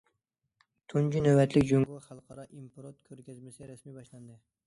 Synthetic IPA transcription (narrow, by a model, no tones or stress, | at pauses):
t̪ʰʊnd͡ʒʲinawbat̪lɪkʲd͡ʒoŋɡɑχɑlˠqʰɑɾɑʔimpɾot̪kʰɵɾkʲazmɪsɪɾasmibɑʃland̪ɪ